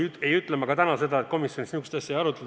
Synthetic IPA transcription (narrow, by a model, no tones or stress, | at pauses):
e̞jyt̪ˑlemɑɡ̥ɑt̪ænɑse̞d̪ɑet̪̚ko̞misjonisniykst̪ɑsʲjɑejɑɾut̪ːˑe